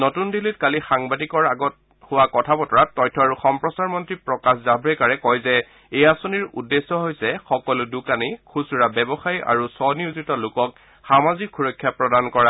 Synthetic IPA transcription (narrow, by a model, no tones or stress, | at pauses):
nɔtundilitkalixaŋbadikɔɹaɡɔt̚ | hʊwakɔtʰapɔtɔɹatːɔjtʰːɔaɹuxɔmpɹɔsaɹmɔntɹipɹɔkaszabɹɛkaɹɛkɔjzɛ | ejasoniɹṵdːesɔɦojsɛxɔkɔlʊdukanikʰusuɹabɛbɔxaja̰ɹusɔniuzitɔlʊkɔk̚ | xamazikʰxuɹɔkʰːjapɹɔdankɔɹa